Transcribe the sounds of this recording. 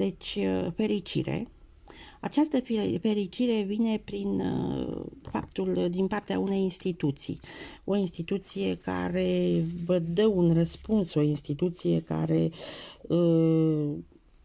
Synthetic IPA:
d̪e̞t͡ʃʲəfe̞ɾit͡ʃḭɾe̞̰ | at͡ʃast̪əfife̞ɾit͡ʃiɾe̞vine̞pɾin | fa̰p̚t̪uld̪inpart̪ea̰une̞jinst̪it̪ut̪sḭjo̞inst̪it̪ut̪sije̞ka̰ɾe̞vəd̪əunrəspunso̞inst̪it̪ut̪sije̞ka̰ɾe̞ | ə

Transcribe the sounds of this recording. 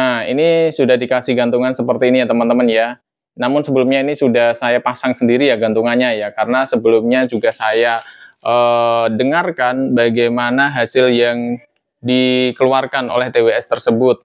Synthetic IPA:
aḭnisudahdikasɪhɡant̪uŋansəpərt̪iːnijat̪əmənt̪əmənja | namʊnsəbəlʊmɲainisudahsajapasaŋsəndiɾijaɡant̪uŋanɲajakaɾənasəbəlʊmɲad͡ʒuɡasajaʔəːdəŋarkanbaɡajmanaɦasɪljaŋ | dikəluarkanʔo̰lɛht̪eweɛst̪ərsəbʊt̪̚

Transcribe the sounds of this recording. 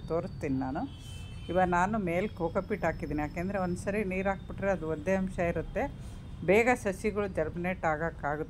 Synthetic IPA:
t̪oːɾst̪iːninaːnu | iʋɐnaːnume̞ːlkoːkɐpiʈɦaːkid̪iːnijaːkeːnd̪ɐɾeond̪usɐɾiniːɾaːɡ̚biʈɾeɐd̪uod̪ːeɐmʃɐiɾut̪ːe̞ | bɛːɡɐsɐsiɡɐɭud͡ʒɐɾbineʈaːɡaːkaːɡut̪ː

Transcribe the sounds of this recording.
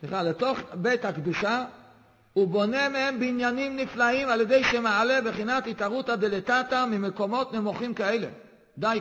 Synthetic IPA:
sliχaleto̞χbethakd̪uʃa | ubo̞ne̞mehembinjanimniflaimaljede̞jʃemaalebeχinatitaʁuthad̪eletatamimeko̞mo̞tnemoχimkaelḛ | d̪aj

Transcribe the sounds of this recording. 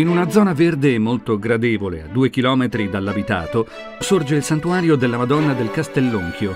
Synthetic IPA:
inunad̪zːɔːnaverd̪eːmːolt̪oɡɾad̪eːvolḛa̰d̪ːuːek̟ilɔːmet̪ɾid̪alːabit̪a̰ːt̪o | sord͡ʒeilsant̪uaːɾjod̪elːamad̪ɔnːad̪elkast̪elːoŋkʰjo

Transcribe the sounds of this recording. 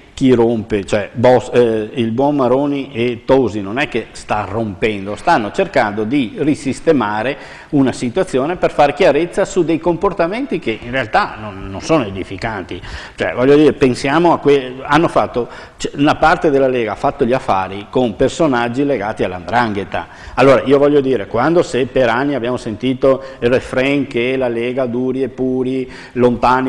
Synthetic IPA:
k̟irompet͡ʃoɛbɔsilbwɔmmːaɾoːniʔet̪ozinonɛkːest̪arːompɛnd̪ost̪anːot͡ʃerkand̪od̪irisist̪emaːɾe | unasit̪wat̪sːjoːneperfaːɾekjaɾet̪sːasud̪ejkomport̪ament̪ikeʔinrealt̪anonːõnsoːnoed̪ifikant̪it͡ʃoɛ̰vɔʎːod̪iːɾepensjaːmoakweanːofat̪ːo | t͡ʃɛunapart̪ed̪elːaleːɡaafat̪ːoʎiafːaːɾikompersonad͡ʒːileɡaːt̪ialːa̰nd̪ɾaŋɡet̪a̰ | alːoːɾaiovɔʎːod̪iːɾekwand̪osepeɾanːiabːjaːmosent̪iːt̪oirefɾɛŋkelaleːɡad̪uːɾiepːuːɾi | lont̪aːn

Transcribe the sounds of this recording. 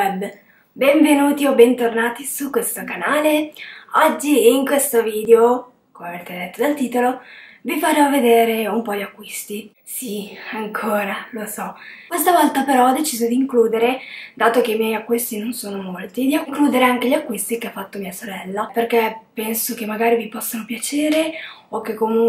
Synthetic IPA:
ɛb | bɛɱvenuːt̪iobent̪ornaːt̪isukːwest̪okanaːleɔd͡ʒːiːŋkwest̪oviːd̪eo | komeveɾet̪ed̪ɛt̪ːod̪alt̪iːt̪olovifaɾɔvːed̪eːɾeumpɔʎiakːwist̪i | siaŋkʰoːɾalosɔkwest̪avɔlt̪apeɾɔɔd̪ːet͡ʃiːzod̪iːŋkluːd̪eɾed̪aːt̪okeimjɛjakːwist̪inonsoːnomolt̪id̪iaŋkluːd̪eɾeaŋk̟eʎiakːwist̪ikeafːat̪ːomiːasoɾɛlːaperkepɛnsokemːaɡaːɾivipɔsːanopjat͡ʃeːɾe | okːekːomuŋ

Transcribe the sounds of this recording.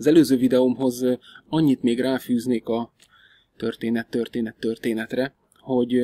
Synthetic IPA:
ɒzɛløːzøːvid̪ɛomɦo̞zɒɲːit̪meːɡraːfyːzneːkɒ | t̪ørt̪eːnɛt̪ːørt̪eːnɛt̪ːørt̪eːnɛt̪rɛ | ho̞ɟ

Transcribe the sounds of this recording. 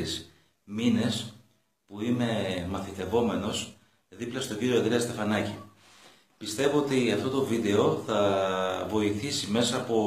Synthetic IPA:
is | mine̞s | puine̞mɐθit̪e̞vo̞me̞no̞s | ðiplɐst̪o̞ɲɟiɾio̞ed̪ɾeɐst̪e̞fɐnɐci | pist̪e̞voot̪iɐft̪o̞t̪o̞vid̪e̞o̞θɐvo̞iθisime̞sɐːpo̞

